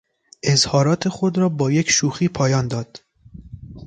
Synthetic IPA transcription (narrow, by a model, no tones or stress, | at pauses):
ʔezhɒːɾɒːt̪ʰe̞xod̪ɾɒːbɒːjecʃuːxiːpʰɒːjɒːnd̪ɒːd̪̥